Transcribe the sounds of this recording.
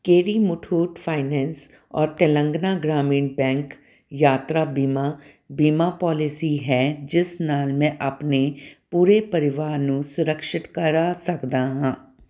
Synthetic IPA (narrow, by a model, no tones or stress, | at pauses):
keːɾimʊʈʰuːʈpʰaːɪnɛːns | ɔːɾt̪elə̃ŋɡnaɡɾaːmĩːnbɛ̃ːŋk | jaːt̪ɾabiːma | biːmapɔːlɪsiɦɛd͡ʒɪsnaːlmɛ̃ʔɐpnepuːɾepəɾɪʋaːɾnũsʊɾəkʃɪt̪kəɾasɐkd̪aɦãː